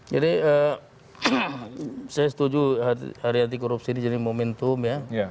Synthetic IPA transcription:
d͡ʒadiə | sajasə̥t̪ud͡ʒua̰haɾiɦant̪̬ikɔɾupsinid͡ʒadimomɛnt̪ʊmjaj

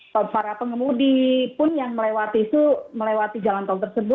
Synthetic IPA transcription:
paɾapəŋəmudipʊnjaŋməlewat̪it̪uməlewat̪id͡ʒalant̪ault̪ərsəbʊt̪̚

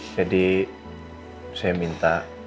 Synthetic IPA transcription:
d͡ʒadi | sajamint̪a

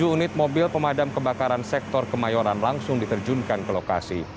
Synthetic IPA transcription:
uːnɪt̪̚mobɪlpəmadamkəbakaɾansɛk̚t̪ɔrkəmajɔɾanlaŋsʊŋdit̪ərd͡ʒunkankəloka̰sḭ

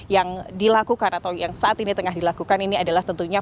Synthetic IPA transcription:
jaŋdilakukanat̪awjaŋsaʔat̪init̪əŋaɦdilakukaniniadalaht̪ənt̪uɲa

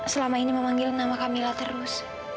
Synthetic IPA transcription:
səlamainiməmaŋɡɪlnamakamilat̪əɾʊs

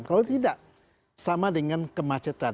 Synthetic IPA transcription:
mkalat̪idaʔ | samadəŋankəmat͡ʃət̪a

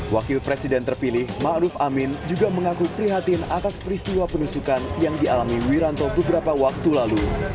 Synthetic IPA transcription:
wakɪlpɾesidɛnt̪ərpilɪhmaʔɾufamɪnd͡ʒuɡaməŋakupɾiɦat̪inat̪aspɾist̪iwapənusukanjaŋdialamiwiɾant̪obəbəɾapawak̚t̪ulalu

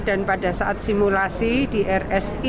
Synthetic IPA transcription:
d̥anpada̤saʔat̪̚simulasid̥i̤ʔɛrɛs | i

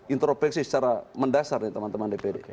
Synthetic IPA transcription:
int̪ɾopɛksisə̥t͡ʃaɾaməndasarnit̪əmant̪əmandepede

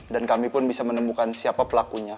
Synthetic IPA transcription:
dankamipʊnbisamənəmukansiapapəlakuɲa

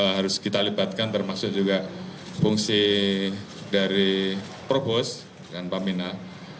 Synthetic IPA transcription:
ɦaɾʊskit̪alibat̪̚kant̪ərmasʊk̚d͡ʒuɡa | fuŋsi | daɾi | pɾopos | kanpamina

